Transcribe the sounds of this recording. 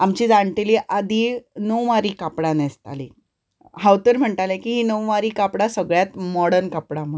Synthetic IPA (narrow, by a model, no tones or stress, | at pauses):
amt͡ɕiːd͡zaɳʈ̪iliʔad̪ʱiːnəwʋaɾiːkapɽanest̪a̰lḭ | hawt̪əɾm̤əɳʈalekiːɦiːnəwʋaɾiːkapɽasəɡɭjat̪mɔɽəɾnkapɽam̤u